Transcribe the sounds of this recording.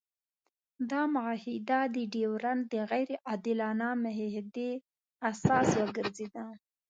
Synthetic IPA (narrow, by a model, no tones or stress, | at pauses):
d̪ɑmʊahid̪ad̪əɖewɾand̪əɣajɾʔɑd̪ɪlɑnamɪɦhd̪e | asɑswəɡəɾzed̪a